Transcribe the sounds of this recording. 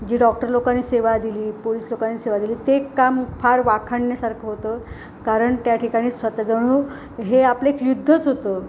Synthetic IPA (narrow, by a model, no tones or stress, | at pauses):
d͡ʑiːɖɔkʈəɾlokanːiːseʋad̪iliːpoliːslokanːiːseʋad̪iliːt̪ekamfaɾʋakʰaɳːjasaɾkʰeɦot̪ə | kaɾəɳt̪jaʈʰikaɽ̃iːsʋat̪ad͡zəɽ̃uː | ɦeaplekjud̪ʱːət͡sɦot̪o